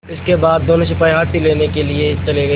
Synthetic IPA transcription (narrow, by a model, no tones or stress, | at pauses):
ɪskebaːd̪̚ːoːnõʃ̬ʊpaːiɦaːt̪ileːnekeliet͡ʃɐleɡɐ